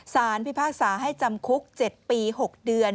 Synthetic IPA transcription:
saː˩˦npi˦˥˩pʰaː˥˩k̚saː˩˦ɦa˥˩jt͡ɕa˧mkʰu˦˥k̚t͡ɕe˨˩t̪̚piː˧ɦo˨˩k̚dɯ˧ən

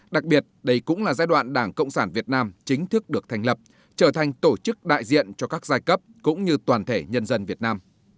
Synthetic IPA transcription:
ɗa˨˩k̚ɓi˨˩ət̚ɗə˧jkʊ̰˧˥ŋ͡mlaː˨˩zaː˧˦jɗwa̰ː˧˨nɗaː˧˩ŋkə̰˧˨wŋ͡msaː˧˩nvi˨˩ət̚naː˧mt͡ɕï˨˦ŋ̟t̪ʰɨ˦˥k̚ɗɨ˨˩ək̚t̪ʰjŋ̟lə˨˩p̚ | t͡ɕəː˧˩t̪ʰa˨˩jŋ̟t̪o˧˩t͡ɕɨ˦˥k̚ɗa̰ː˧˨jzḭ˧˨ənt͡ɕɔ˧kaː˦˥k̚zaː˧jkə˦˥p̚kʊ̰˧˥ŋ͡mɲɨ˧t̪waː˨˩nt̪ʰe˧˩ɲə˧nzə˧nvi˨˩ət̚naː˧m

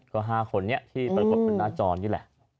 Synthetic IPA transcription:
kɔː˧˩ɦaː˧˩kʰo˩˦nːi˦˥ɐt̪ʰiː˥˩pɾa˧ko˨˩pe˧nːaː˥˩t͡ɕɔː˧njɯː˧˩lɛ̰˨˩ʔ

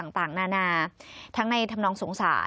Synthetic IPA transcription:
a˨˩ŋt̪aː˨˩ŋnaː˧naː˧t̪ʰa˦˥ŋna˧jt̪ʰa˧mnɔː˧ŋsu˩˦ŋsa̰ː˩˦

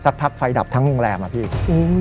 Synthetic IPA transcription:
sa˦˥k̚pʰa˦˥k̚fa˧jda̰˨˩p̚t̪ʰa˦˥ŋɾo˧ŋɾɛː˧mʔa˧˩pʰiː˥˩ʔoː˧˩

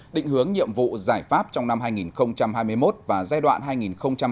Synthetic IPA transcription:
ɗḭ˧˨ŋ̟hɨ˨˦əŋɲḭ˧˨əmvṵ˧˨zaː˧˩jfaː˦˥p̚t͡ɕɔ˧wŋ͡mna˧mɦaː˧jŋi˨˩nxə˧wŋ͡mt͡ɕa˧mhaː˧jmɨ˧əjmo˦˥t̚vaː˨˩zaː˧jɗwa̰ː˧˨nɦaː˧jŋi˨˩nxə˧wŋ͡mt͡ɕa˧m

